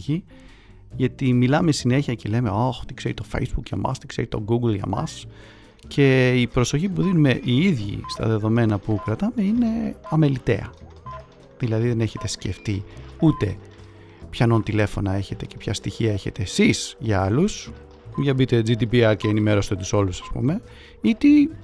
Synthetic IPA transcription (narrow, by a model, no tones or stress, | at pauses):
i | ʝɐt̪imilɐme̞sine̞çiɐcele̞me̞oxt̪i̥kseɾit̪o̞fḛjzbukʝɐ̰mʔɐ̰st̪i̥kse̞ɾit̪o̞ɡuɡlʝɐ̰mɐ̰s | cʰe̞ipɾo̞so̞çipuðinume̞ʔiiðʝḭst̪ɐ̰ðe̞ðo̞me̞nɐpukɾɐt̪ɐme̞ine̞ɐmelit̪e̞̰ɐ̰ | ðilɐðiðe̞ne̞çe̞t̪e̞sce̞ft̪iut̪e̞ | pçɐnont̪ile̞fo̞nɐe̞çe̞t̪e̞ce̞pçɐst̪içiɐe̞çe̞t̪e̞ːsisʝɐɐlus | uʝɐbit̪ed͡zid̪ipiɐɾceːnime̞ɾo̞sit̪ot̪uso̞lusɐ̥spṵme̞ | it̪i